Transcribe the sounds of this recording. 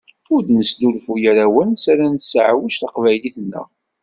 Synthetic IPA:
ʊɾd̪nəsd̪ulfujæɾæwænsaɾænsəʕwæʃθəqvæjliθnːə̰

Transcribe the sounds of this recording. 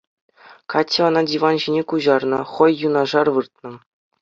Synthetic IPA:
kɑtʲːeɤ̆nɑdʲiʋɑnʑinʲekuʑɑrnɤ̆χɤ̆jːunɑʐɑrʋɯrt̪̚nɤ̆

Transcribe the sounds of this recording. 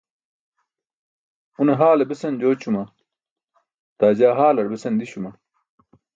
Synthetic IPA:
uneɦaːlɐbesɐnd͡ʑoːt͡ɕʰumɐ | t̪aːd͡ʑaːɦaːlɐɽbesɐnd̪iɕumɐ

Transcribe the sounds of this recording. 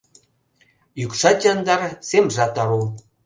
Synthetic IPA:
jykʃɑt̪ʲɑnd̪ɑrsemʐɑt̪ɑɾu

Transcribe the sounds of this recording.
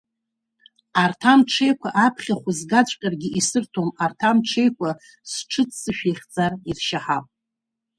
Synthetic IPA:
artʰamʈ͡ʂʰe̞jkʷʰaʔapʰχʲaχʷʊzɡat͡ɕʷʼqʲʼarɡʲiʔisɨrtʰomartʰamʈ͡ʂʰejkʷʰa | sʈ͡ʂʰɨt͡sʰsɨʃᶣeχʲd͡zʼarirʃaħapʼ

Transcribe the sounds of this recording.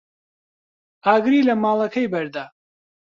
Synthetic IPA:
aːɡɾiːlɐmaːlˠɐkʰɐjbɐɾd̪aː

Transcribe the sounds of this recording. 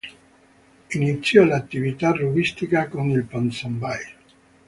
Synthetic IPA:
init̪sːjɔlat̪ːivit̪aruɣist̪ikakonilpansambaj

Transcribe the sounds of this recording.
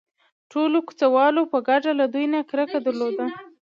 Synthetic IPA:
ʈʰoloku̥t͡sawɑlopəɡaɖalad̪ujnakɾəkad̪aɾlod̪a

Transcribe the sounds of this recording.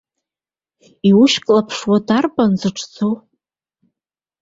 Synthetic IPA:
iwʊʃkʼlapʰʂwadarpʼanzɨʈ͡ʂʰʼt͡sʰow

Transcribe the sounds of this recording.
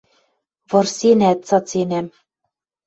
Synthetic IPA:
βɤ̆rsenæt̪t͡sɑt͡senæm

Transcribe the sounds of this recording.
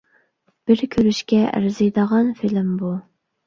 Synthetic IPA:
b̥ɪɾkʲʰøɾyʃkʲɛʔæ̰ɾzɨjd̪əʁɑnfilɪmbu

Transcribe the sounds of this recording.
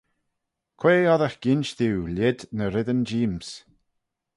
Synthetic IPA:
kʰweːɔðəxɡ̥ɪnʃðiwlɪd̪nəɾɪðənd͡ʒiːms

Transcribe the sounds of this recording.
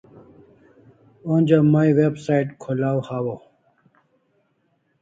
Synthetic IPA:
onʲd͡ʑamaiwebsaiʈkʰulawhawo

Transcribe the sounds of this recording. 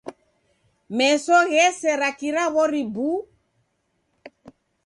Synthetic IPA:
mɛsɔɣɛsɛɾakiɾaβɔɾibu

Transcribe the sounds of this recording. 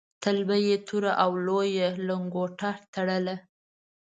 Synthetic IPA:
t̪albajet̪ʰuɾaʔawlojeləŋɡoʈaɾt̪aɽəla

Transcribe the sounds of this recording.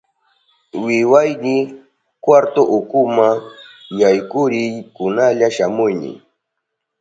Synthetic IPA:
wɪwajnɪ | kwaɾt̪oʔʊkʊmajajkʊɾɪjkʊnaʎaʃamʊjnɪ̰

